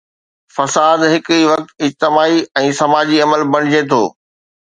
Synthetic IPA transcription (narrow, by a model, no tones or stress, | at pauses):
fɐsaːd̪ɦɪkiʋɐk̚t̪ɪd͡ʑt̪ɪmaːiɛ̃ːsɐmaːd͡ʑiɐməlbɐɽ̃ɪd͡ʑet̪ʰo̰ː